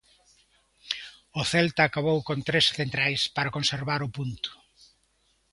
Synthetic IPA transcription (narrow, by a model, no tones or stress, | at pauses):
ʊθɛlt̪aːkaβowkont̪ɾesθent̪ɾajspaɾakonseɾβaɾʊpunt̪ʊ̥